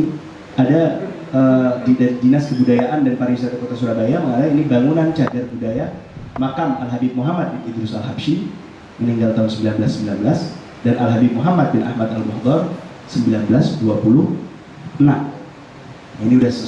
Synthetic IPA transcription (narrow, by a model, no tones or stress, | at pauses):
ada | ədidadinaskəbudajaʔandanpaɾawisat̪akot̪asuɾabajaməŋaɾainibaŋunant͡ʃadarbudaja | makamalɦabip̚muɦamat̪̚bɪnid̪ɾʊsalɦabʃi | məniŋɡalt̪aɦʊnsəmbilanbəlasːəmbilanbəlas | danʔalɦabip̚muɦamat̪̚bɪnʔa̰hmat̪albɔhd̪ɔr | səmbilanbəlasduapuluh | ʔənam | jainiudahs